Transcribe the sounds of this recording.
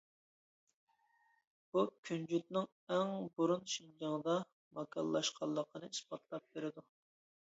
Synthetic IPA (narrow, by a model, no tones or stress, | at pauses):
b̥ukʲʰynd͡ʒyt̪̚nɪŋ | æŋbuɾunʃind͡ʒɑŋd̪ɑ | mɑkʰɑ̰lːˠɑʃqʰɑlˠːəqʰənɨispɑt̪ʰlˠɑp̚beɾɪd̪u